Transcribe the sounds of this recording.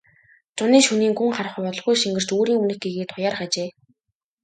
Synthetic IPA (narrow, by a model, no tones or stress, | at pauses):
t͡sʊniːʃuniːŋɡuŋχaɾə̆χʊ̆jpɔt̪ɞ̆ɮʁɣujʃiŋɡɘ̆r̥t͡ɕoːɾiːŋunɘ̆xɡeɣeːt̪ʰχʊjaːrχat͡ɕeː